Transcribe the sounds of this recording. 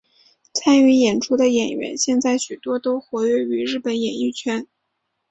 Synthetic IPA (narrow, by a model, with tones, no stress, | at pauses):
t͡sʰa˥ny˧˥jɛ˨˩nʈ͡ʂʰu˥d̪ə˨jɛ˨˩nɥɛ̰˧˥nɕjɛ˥˧nt͡sa˥˩ɪɕy˨˩t̪wɔ˥t̪o˥ʊxwɔ˧˥ɥɛ˥˩y˧˥ɻɻ̩˥˩pə˧˥njɛ˨˩ny˥˩t͡ɕʰɥɛ˥n